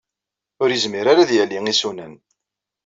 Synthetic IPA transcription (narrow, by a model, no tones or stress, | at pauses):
ʊɾjəzmiɾaɾaðjælːiŋisunən